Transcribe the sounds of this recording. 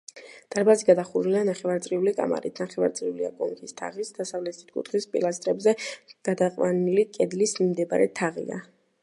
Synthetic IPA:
d̪̥aɾbaziɡad̪aχuɾulianaχɛvaɾt̪sʼɾiulikʼa̰ma̰ɾḭt̪ʰnaχɛva̰ɾt̪sʼɾiulia̰kʼɔŋkʰist̪ʰa̰ʁisd̪asavlɛt̪ʰi̥t̪̚ʰkʼṵt̪χispʼḭlˠast̪ʼɾɛbzɛɡ̥ad̪aqʼwanilikʼɛd̪lismd̪ɛbaɾɛt̪ʰaʁḭa̰

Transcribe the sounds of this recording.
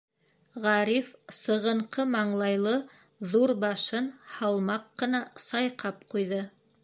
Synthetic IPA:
ʁɑɾifsɤ̆ʁɤ̆ɴqɤmɑɴlˠɑjlˠɤ | ðuɾbɑʃɤnhɑlˠmɑqːɤ̆nɑsɑjqɑpqujðɤ

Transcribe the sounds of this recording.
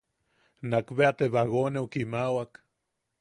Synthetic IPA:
nakβeat̪eβaɣonewkimawak

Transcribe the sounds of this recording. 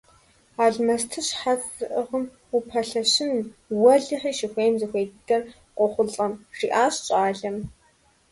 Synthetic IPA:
aːɮmɐstʰɨɕħat͡sʼɨʔəʁəm | ʊpʰɐɬɐɕɪnwɐɮɨħiːʃɪxʷeːmzɨxʷeːddɐr | qʷɔχʷʊɬʼɐmriːʔaːɕt͡ʃʼaːɮɐm

